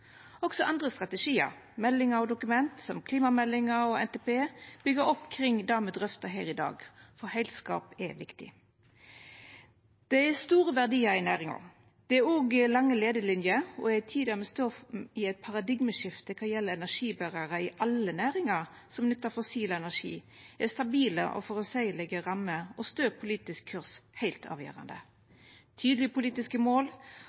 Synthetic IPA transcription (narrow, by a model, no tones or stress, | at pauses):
ɔksɔʔɑnd̪ʁəst̪ʁɑt̪əʂiːə̰ɾmɛlːɪŋəɾɔd̪ʊkʉmɛnt̪sɔmkʰliːmɑmɛlːɪŋəɔɛnt̪ɛpeːb̥ʏɡəɾɔpːkʰɾɪŋd̪ɑːməd̪ɾœft̪ɑɦæːɾɪd̪ɑ̰ːɡfɔhɛɪlskɑ̰ːpɛʋɪkt̪ɪ̰ | d̪̥ɛɛst̪uːʁəʋæʁd̪iːɑɪnæːʁɪŋɑ̰ | d̪̥ɛæɾoːɡəlɑŋːəleːd̪əlɪnjəɔ̰æt̪ʰiːd̪əmɛst̪oːɪɛt̪̚pʰɑʁɑd̪ɪɡməʃɪft̪əkʰɑjɛlːəɛnæʂiːbæʁɑʁəɪʔɑlənæːʁɪŋɑʁ | sɔmnʏt̪ːəfɔsiːləɛnæʂḭː | ɛst̪ɑbiːlə̰ʔɔ̰fɔʁɔsæɪlɛɡəʁɑmːəɔst̪øːpʰʊliːt̪ɪskʰːʉʁshæɪlt̪ʰɑ̰ːʋjø̰ːʁɑ̰nd̪ə | t̪ʰyːd̪lɪəpʰʊliːt̪ɪskəmoːl